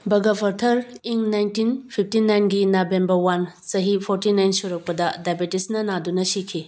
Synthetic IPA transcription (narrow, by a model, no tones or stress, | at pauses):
bɐɡɐbʰʱɐɾtʰɐɾiŋnajntinpʰip̚ʰtinajnɡinabembɐɾwan | t͡ʃɐɦipʰoɾtinajnsuɾɐk̚pɐdɐdajbitisnɐnadunɐsikʰi